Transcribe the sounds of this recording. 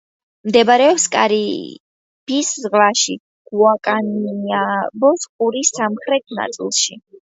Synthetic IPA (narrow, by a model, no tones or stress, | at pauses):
md̪ɛbɾɛɔpskʼaɾi | b̥isʁlaʃi | ɡ̥uakʼaniabɔsqʼuɾisːamχɾɛt̪̚ʰna̰t̪sʼḭlˠʃi